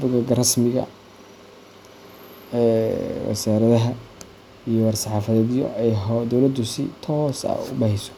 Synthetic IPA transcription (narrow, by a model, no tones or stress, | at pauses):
bʊɡɐɡɐrɐsmɪɣɐ̰ | ɛwɑ̰saːɾɐðɐɦɐ | ijɔwɐrsɑħɑːfɐðɛːðjɔ̰ʔɛjɦd̪ɔwlɐd̪ʊsɪ̰t̪ʰɔːsɐ̰ʊ̰bɐhɪsɔ̥